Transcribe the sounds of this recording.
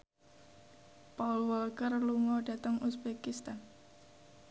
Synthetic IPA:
paulwəlkərluŋɔɖ̥ä̤t̪əŋʔusbekist̪an

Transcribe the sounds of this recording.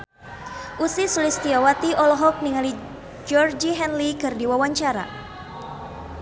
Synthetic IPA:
ʔusisulist̪iawat̪iɔlɔɦɔk̚niŋali | d͡ʒɔrd͡ʒiɦɛnlikɨrdiwawaɲt͡ʃaɾa̰

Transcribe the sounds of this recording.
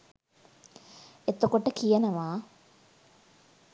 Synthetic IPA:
et̪okoʈəkijənəʋaː

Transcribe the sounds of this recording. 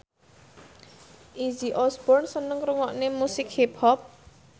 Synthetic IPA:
ʔid͡ʒiʔɔsbɔrnsənəŋɾuŋɔʔnemusɪkhiphɔp̚

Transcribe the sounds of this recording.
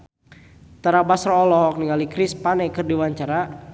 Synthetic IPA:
t̪aɾabasɾɔɔlɔɦɔk̚niŋalikɾispanɛkɨrdiwaɲt͡ʃaɾa

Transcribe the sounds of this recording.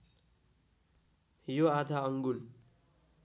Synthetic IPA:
joad̪ʱaʌŋɡul

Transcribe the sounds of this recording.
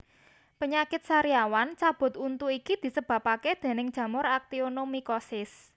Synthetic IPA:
pəɲakɪt̪̚saɾiawant͡ʃab̥ʊ̤t̪unt̪uikid̪̥i̤səb̥a̤paked̪̥e̤nɪŋ̥ʒ̥ä̤mʊɾak̚t̪ionomikɔsɪs

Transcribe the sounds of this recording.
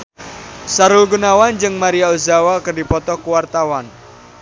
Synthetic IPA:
saɾulɡunawand͡ʒɨŋmaɾiaozawakərdi̤pɔt̪ɔkuwart̪awan

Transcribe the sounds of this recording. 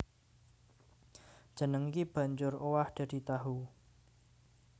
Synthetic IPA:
d̥ʒ̥ə̤nəŋikib̥ä̤ɲd͡ʒʊrowahd̪̥ä̤d̪̥i̤t̪aɦu

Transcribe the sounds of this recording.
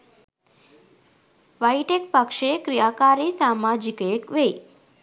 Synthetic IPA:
ʋajʈekpəkʃekɾijakaɾisamad͡ʒikekʋei

